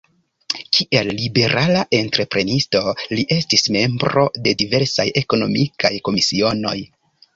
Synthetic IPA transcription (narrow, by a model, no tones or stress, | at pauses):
kʰiʔe̞lːibe̞ɾʔalaʔe̞ntɾe̞pɾe̞nisto̞liʔe̞stisme̞mbɾo̞̰de̞dive̞ɾsa̰je̞ko̞no̞mikʰajko̞misio̞no̞̰j